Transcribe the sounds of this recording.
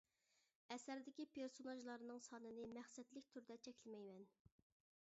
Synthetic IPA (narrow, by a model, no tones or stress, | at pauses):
ɛsæɾd̪ɪkʲipʰeɾsonɑʒlˠɑɾnɨŋsɑːnɨnɨmæχsɛt̪lɪkʲt̪ʰyɾd̪ɛt͡ʃʰɛkʲlɪmɛjmɛn